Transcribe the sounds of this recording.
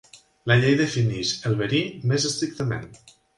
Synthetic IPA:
ləʎejðəfiniʃəlˠβəɾimezəst̪ɾik̚t̪əmḛn

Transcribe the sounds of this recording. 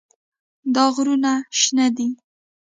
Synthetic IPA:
d̪ɑɣɾunaʃnad̪i

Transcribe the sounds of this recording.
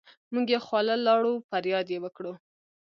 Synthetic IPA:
muɡjexwɑləlɑɽufaɾjɑd̪jewəkɽu

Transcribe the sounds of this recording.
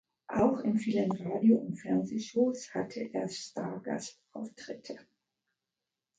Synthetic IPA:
ʔaʊxɪnfiːlənʁaːdjoʊntfɛɐnzeːʃoːshatʰəʔeːɐstaɐɡa̰s | aʊftʁ̥ɪtʰə

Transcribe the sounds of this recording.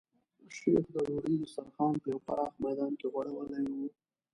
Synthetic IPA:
ʃḛxd̪əɾoɽid̪əsaɾxɑnpəjawpa̰ɽɑxmajd̪ɑnkeɣwaɽawəlajwu

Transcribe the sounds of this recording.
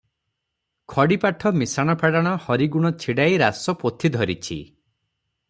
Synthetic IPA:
kʰɔɽipaʈʰɔmisaɽ̃ɔpʰaɽaɽ̃ɔhɔɾiɡuɽ̃ɔt͡ʃʰiɽajɾasɔpot̪ʰid̪ʱɔɾit͡ʃʰḭ

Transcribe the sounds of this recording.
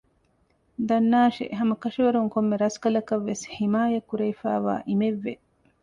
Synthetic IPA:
d̪ɐnːaːʃḛʔɦɐmɐkɐʃiʋɐɾuŋkomːeɾɐskɐlɐkɐʋːesħimaːjɐkuɾejfa̰ːʋa̰ːʔimeʋːe

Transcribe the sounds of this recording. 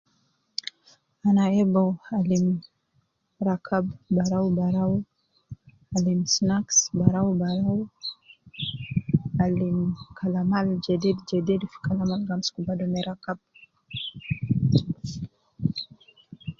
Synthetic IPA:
anaɛbaalim | ɾakʰabbaɾawbaɾawu | alimsnaksbaɾawubaɾaw | alimkʰalamald͡ʒɛdidd͡ʒɛdɛdfi̥kalamalɡamskubadɔmɛɾakab̚

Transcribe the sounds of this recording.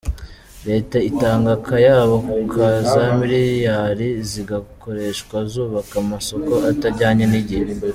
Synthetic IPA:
ɾe̞ːtaitaːŋɡakajaːβokukʰazamiɾiɾjaːɾiziɡako̞ɾe̞ːʃkwazuːβakamaso̞ko̞ʔataɾɟaːɲeniɟihe

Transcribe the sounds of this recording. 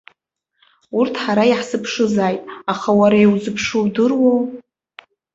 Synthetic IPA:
urtʰħaɾaiħsɨpʰʂɨzaːjtʼaχawaɾaiwzɨpʰʂɨwdɨrwow

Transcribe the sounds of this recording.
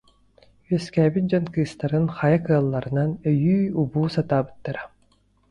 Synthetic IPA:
yɛskæːbind͡ʑɔnkɯːst̪aɾɯnχajakɯɐlˠːaɾɯnanœjyːubuːsat̪aːbɯ̥t̪ːaɾa

